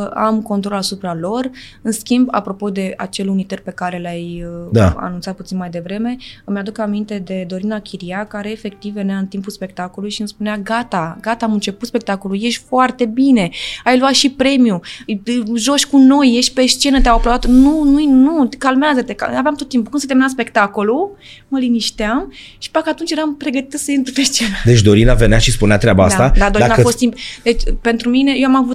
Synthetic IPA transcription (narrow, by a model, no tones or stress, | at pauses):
a̰mko̞nt̪ɾo̞lasupɾalo̞rɨnskʲimba̰pɾo̞po̞d̪e̞a̰t͡ʃe̞lunit̪ərpe̞kaɾe̞lajəd̪a̰a̰nũnt̪sat̪put̪sinmajd̪e̞vɾe̞me̞mjad̪ukamint̪e̞d̪e̞d̪o̞ɾinakʲʰiɾiakaɾeːfe̞k̚t̪iveneaɨnt̪impuspe̞k̚t̪akolujʃiɨmspuneaɡat̪aɡat̪aːmɨnt͡ʃe̞put̪spe̞k̚t̪akoluje̞ʃt̪ʲfoart̪e̞bine̞ajluat̪ʃipɾe̞miu | ʒo̞ʃʲkuno̞jːe̞ʃt̪̚ʲpe̞st͡ʃe̞nət̪eawapɾovat̪nunujnukalmeazət̪e̞ka̰aveamt̪ot̪ːimp̬u̥kɨnset̪eminams̬pe̞kt̪ako̞lu | məliniʃt̪eam | ʃi̥pakəat̪unt͡ʃjeɾampɾe̞ɡət̪it̪səjint̪ɾupeʃt͡ʃe̞nad̪et͡ʃd̪o̞ɾinaveneaʃispuneat̪ɾʲeabaa̰sat̪ad̪ad̪oɾainafost̪impd̪et͡ʃʲpe̞nt̪ɾumine̞jewamavut̪